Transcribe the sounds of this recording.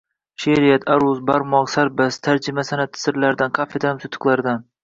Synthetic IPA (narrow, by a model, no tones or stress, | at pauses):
ʃeɾɪjat̪ʰaɾʊzbaɾmɒqsaɾbast̪ʰaɾd͡ʒɪmasanat̪ʰːɪ̥sɪɾlaɾd̪anqʰɑfed̪amsʊt̪ʰːɨ̥qlˠaɾd̪an